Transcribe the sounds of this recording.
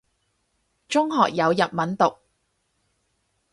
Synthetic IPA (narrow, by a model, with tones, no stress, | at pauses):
t͡ʃʊ˥ŋɦɔː˨k̚jɐ˨˧wjɐ˨t̚mɐ˨˥nt̪ʊ˨k̚